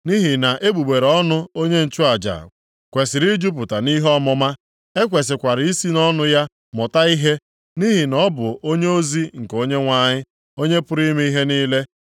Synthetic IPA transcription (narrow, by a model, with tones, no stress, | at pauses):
ni˦ɦi˨na˨ʔe˦ɡ͡bu˨ɡ͡be˨ɾɔ˦nʊ˦o˦ɲe˦n̩˨t͡ʃʊ˦a˨d͡ʒa̰˨ | kʷe˨sɪ˨ɾi˦d͡ʒu˦pʊ˨ta˨ni˦ɦɔ˦mɔ˦ma˦ | e˦kʷe˨s̬ɪ˨kʷa˨ɾɪ˨i˦si˦nɔ˦nʊ˦ja˦ | mɔ˨ta˦i˦ɦe˦ | ni˦ɦi˨nɔ˦bʊ˨ʔo˦ɲe˦o˦zi˦ŋ̩˨ko˦ɲe˦ŋʷa˨ɲɪ˦ | o˦ɲe˦pʊ˦ɾi˦me˦i˦ɦe˦niː˦le˦